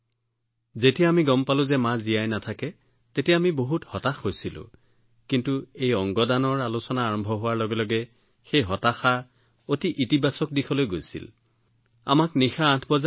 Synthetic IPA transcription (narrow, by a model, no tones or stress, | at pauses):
zetijaamiɡɔmpalʊ̃zɛmazijajnatʰakɛ | tetijaamiboɦuthɔtaxhojsilʊ̰̃ | kintuejɔŋɡɔdanɔɹalusɔnaːɹɔmbʱɔɦʊwaɹlɔɡɛlɔɡɛ | xejɦɔtaxa | otiʔitibasɔk̚dixʰɔlojɡojsḭl | a̰maknixaːtʰbɔza